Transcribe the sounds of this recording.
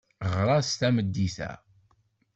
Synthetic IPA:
ʁɾˤɑst̪æməd̪ːiθæ̰

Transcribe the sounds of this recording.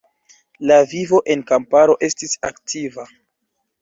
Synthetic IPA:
lavivo̞ʔe̞nkampaɾo̞ʔe̞stisa̰ktʰiva

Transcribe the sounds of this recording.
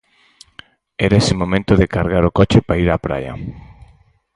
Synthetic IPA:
ɛɾaesɪmomẽnt̪oðekaɾɣaɾokɔt͡ʃepaiɾapɾa̰jɐ̰

